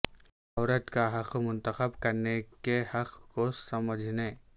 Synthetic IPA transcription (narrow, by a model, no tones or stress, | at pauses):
ɔːɾət̪kaɦɐqmʊ̃nt̪əxəbkɐɾnekehɐqʰkosɐməd͡ʒʱne